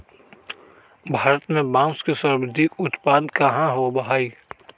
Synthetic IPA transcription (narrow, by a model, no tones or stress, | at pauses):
bʱaːɾət̪mẽbãːskesəɾbəd̪ʱikʊt̪paːd̪kaɦãɦobɐɦaːiː